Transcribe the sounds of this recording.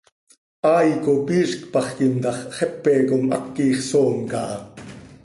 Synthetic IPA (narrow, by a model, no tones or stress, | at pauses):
ʔɑːjkopiːʃkpɑχkimt̪ɑχχɛpːɛːkomʔɑ̰kːiːχsoːŋkɑʔɑ